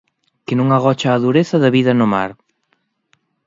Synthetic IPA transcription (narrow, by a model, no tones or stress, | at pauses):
kɪnũŋaɣ̞ɔt͡ʃaːðuɾeθɐðɐβiðɐnʊma̰ɾ